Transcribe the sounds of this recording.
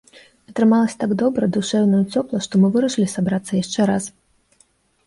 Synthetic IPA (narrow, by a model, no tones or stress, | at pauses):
ɐt̪ɾɨmalˠɐsʲɐ̥t̪aɡd̪ɔbɾɐd̪uʂɛwnɐjut͡sʲɔplˠɐʂt̪ɔmɨvɨɾɐʂɨlʲisabɾat̪sːɐjaʂt͡ʂɛɾas